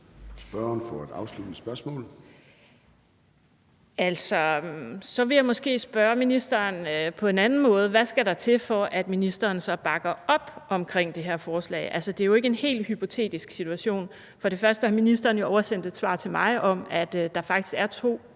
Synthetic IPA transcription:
sb̥ɶɐnfɒæd̥ɑ̈ʊslud̥nəsb̥ɶɐsmɔ̰ːl | æl̰sɒ̽sɒ̽ʋe̝jɑ̈ɪmɒ̽sɡ̥e̝̰ːsb̥ɶːɐminisd̥ɐːnøpʰɒ̽e̝nænn̩mɔ̽ːð̞ˠʋæsɡ̥æɾɑ̈t͡sʰe̝fɒ̽ʔæd̥minisd̥ɐːnsɒ̽b̥ɑ̈ɡ̥ɐɒ̽b̥ʔɒ̽mkʰʁeŋ̰d̥e̝ɦeɐ̰fɒːslɛ̰ːʔælsɐd̥e̝æjo̝e̝ɡəe̝nhe̝̰ːlhypʰo̝t͡sʰe̝̰ːd̥isɡ̥sit͡sʰuæɕo̝̰ːn | fɒ̽ɾe̝fɶɐsd̥əhɑ̈minisd̥ɐːn̩joɒʊɐsen̰d̥ed̥sʋɑ̰̈ːt͡sʰe̝mɑ̈ɪʔɒ̽mæd̥d̥ɑ̈fɑ̈ɡ̥̚d̥ʰi̥sɡ̥æɐt͡sʰo̝̰ː

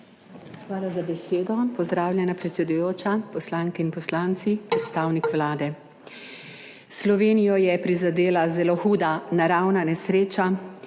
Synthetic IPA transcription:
xʋaːlazabɛseːd̪ɔpɔzd̪ɾaːwlʲjɛnapɾɛt̪sɛd̪ujoːt͡ʃapɔslaŋkɛinpɔslaːnt̪sipɾɛt̪st̪aːwnikʋlaːd̪ɛ | slɔʋeːnijɔjɛpɾizad̪eːlazɛloxuːd̪anaɾawnanɛsɾeːt͡ʃa

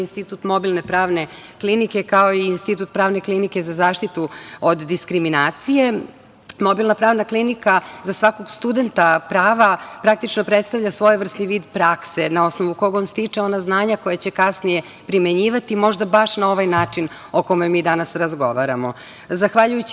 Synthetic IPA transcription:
inst̪it̪ut̪mo̞bilˠne̞pɾaːʋne̞klinike̞kaoiːnst̪it̪ut̪̚pɾaːʋne̞klinike̞zazaːʃt̪it̪uod̪ːiskɾiminaːt̪sije | mo̞bilnapɾaːʋnaklinikazasʋako̞ɡst̪ud̪e̞nt̪apɾaːʋapɾak̚t̪it͡ʃnopɾet̪st̪aʋʎasʋo̞jʋr̩st̪niʋiːd̪pɾakse̞nao̞snoʋukoɡonst̪it͡ʂeo̞naznaːɲako̞jat͡ɕe̞kasnije̞ | pɾimeɲiːʋat̪imo̞ʒd̪abaʃnao̞ʋajnaːt͡ʂin | oko̞memiːd̪anasɾazɡo̞ʋaɾamo | zaxʋaʎujut͡ɕ

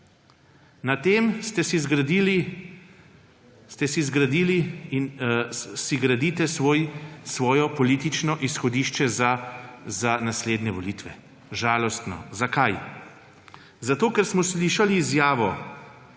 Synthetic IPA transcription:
nat̪eːmst̪ɛsizɡɾd̪ili | st̪ɛsizɡɾad̪iliin | siɡɾad̪iːt̪ɛsjsʋɔːjɔpɔlit̪it͡ʃnɔʔisxɔd̪iːʃt͡ʃɛzazanasleːd̪nɛʋɔliːt̪ʋɛ | ʒaːlɔst̪nɔ̰zakaj | zat̪oːkɛɾsmɔsliːʃaliːzjaːʋɔ

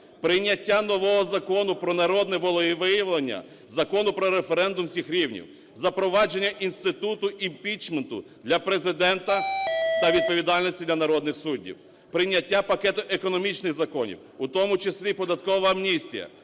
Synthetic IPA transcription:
pɾɪjnʲːɐtʲːanɔʋɔɦɔzɐkɔnʊpɾɔnɐɾɔd̪nɛʋɔlˠɔjiʋɪjɐʋlˠenʲːɐ̰ | zɐkɔnʊpɾɔɾefeɾɛnd̪ʊmsʲixɾʲiwnʲḭw | zɐpɾɔʋɑd͡ʒe̞nʲːɐʔinst̪ɪt̪ut̪ʊʔimpʲit͡ʃment̪ʊ̰d̪lʲɐpɾezɪd̪ɛnt̪ɐt̪ɐʋʲid̪̚pɔʋʲid̪ɑlʲnɔsʲtʲid̪lʲɐnɐɾɔd̪nɪxsudʲːḭw | pɾɪnʲːɐtʲːapɐkɛt̪ʊʔekɔnɔmʲit͡ʃnɪxzɐkɔnʲḭw | ʊt̪ɔmʊt͡ʃeslʲipɔd̪ɐt̪̚kɔʋɐːmnʲisʲtʲḭjɐ̰

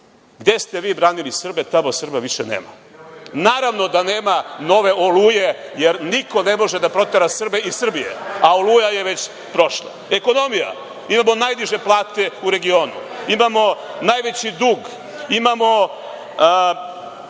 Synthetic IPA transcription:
ɡd̪e̞st̪eʋiːbɾaːnilisr̩bet̪amosr̩baʋiʃenḛːma̰ | naːɾaʋno̞d̪aneːmano̞ʋe̞ʔolujejeɾniko̞nemo̞ʒed̪apɾo̞t̪eɾasr̩beisr̩bijḛaolujajeʋe̞t͡ɕ | pɾo̞ʃlˠa̰eko̞no̞mija̰ | imamo̞najd̪iʒe̞plˠaːt̪e̞uɾe̞ɡio̞ːnṵimamo̞naːjʋet͡ɕid̪uːɡ | imamo̞

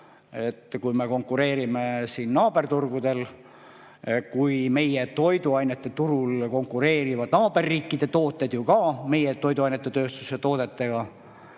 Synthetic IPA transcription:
e̞t̪ːkujme̞ko̞ŋkːˑuɾe̞ːɾimesiːnnɑːb̥e̞rt̪urɡ̥ud̪e̞l | kujme̞je̞t̪o̞jd̪uɑjnet̪ːe̞t̪uɾulko̞ŋkːuɾe̞ːɾivɑd̪̥nɑːb̥e̞rːiːkːid̪̥e̞t̪oːt̪ːˑe̞d̪̥jukɑːme̞jet̪o̞jd̪uɑjnet̪ːet̪ø̞ːst̪uset̪o̞ːd̪̥e̞t̪ːe̞ɡ̥ɑ

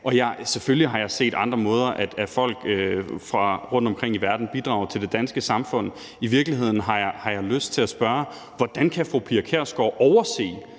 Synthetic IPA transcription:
ʔɒ̽jɑ̈seføljiɦɑ̈jɑ̈ɪse̝̰ːd̥ɑ̈nd̥ʁɐmɔ̽ːð̞ˠɐʔæd̥æfɒ̽l̰ɡ̥øfʁɑ̈ʁɔ̽n̰d̥ɒ̽mkʰʁeŋ̰iʋæɐd̥n̩b̥id̥ʁɑ̈ʊɐt͡sʰe̝ld̥e̝d̥ænsɡ̥əsɑ̈mfɔ̽n̰ | iʋiɐɡ̥liɦe̝ð̞̰ˠn̩ɦɑ̈jɑhɑ̈jɑ̈ɪløsd̥̚t͡sʰe̝læsb̥ɶɐ | ʋɒd̥ænkʰæfʁopʰiɑkʰeɐ̰sɡ̥ɒʊʔɒʊɐse̝̰ː

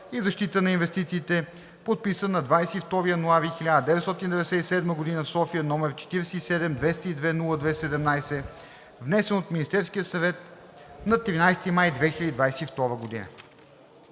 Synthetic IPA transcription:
izɐʃt̪it̪ənɐinvɛst̪it̪siːt̪ɛ | pot̪̚pisənɐd̪vajsɛift̪ɔɾijənoavixilʲad̪əd̪ɛvɛt̪st̪ɔt̪ind̪ɛvɛd̪ɛsɛisɛd̪məɡod̪inəfsɔfiənɔmɛɾt͡ʃɛ̥t̪iɾɛsɛisɛd̪ɛmd̪vɛst̪əid̪vɛnulˠəd̪vɛsɛd̪ɛmnajsɛ | vnɛsɛnot̪minist̪ɛɾsk̟ijəsɐvɛt̪̚ | nɐt̪ɾinajst̪imajd̪vɛxilʲəd̪id̪vajsɛift̪ɔɾəɡod̪ḭnə̰

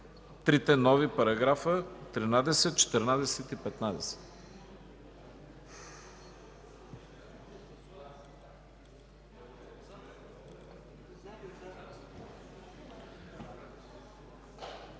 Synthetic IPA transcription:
t̪ɾit̪ɛnɔvipɐɾɐɡɾafət̪ɾinad̪ɛsɛt̪̚t͡ʃɛ̥t̪ɛɾnad̪ɛsɛt̪ipɛt̪nad̪ɛsɛ̥t̪

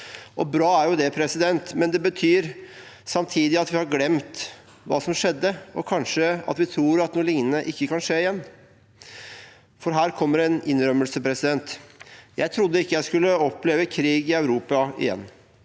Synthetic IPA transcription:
ʔɔbɾɑːæɾjʊd̪ɛpʰɾɛsɪd̪ɛnt̪mɛnd̪ɛbət̪ʰyːɾsɑmt̪ʰiːd̪ɪɑt̪ʋɪhɑɾɡlɛmt̪ | ʋɑ̰ːsɔmʂɛd̪ːəɔkʰɑnʂəɑ̰t̪ʋɪt̪ʰɾuːɾɑt̪nuːlɪŋnənəʔɪkːəkɑnʂeːɪjɛnː | fɔɾɦæːɾkʰɔmːəɾɛnɪnɾœmːəlsəpʰɾɛsɪd̪ɛnt̪jæ̰ɪt̪ʰɾʊd̪ːəɪkːəjæɪskʉlːəɔplɛʋəkʰɾiːɡɪœʉɾuːpɑɪ̰jɛ̰nː

